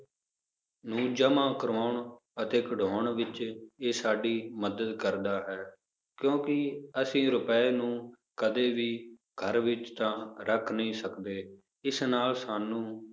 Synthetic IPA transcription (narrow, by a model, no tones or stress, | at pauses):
nũːd͡ʒəmãːkəɾaːɳ | ət̪eːkəɖʱoːɳʋɪt͡ʃeːsaːɖiːməd̪əd̪kəɾd̪aːɦɛː | kjõːkɪəsĩːɾʊpɛeːnũː | kəd̪eːʋiː | ɡʱəɾʋɪt͡ʃt̪ãːɾʔəkʰnəĩːsəkd̪eː | ɪsnaːlsaːnːũː